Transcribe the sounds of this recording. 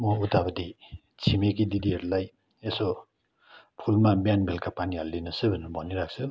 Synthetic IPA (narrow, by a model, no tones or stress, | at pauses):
moutabadi | t͡ʃʰimeɡ̬ididieɾlaj | eso | pʰulmabjanbelkʰapanijalːinɯsɯbɯnbɔniɾak̚sɯ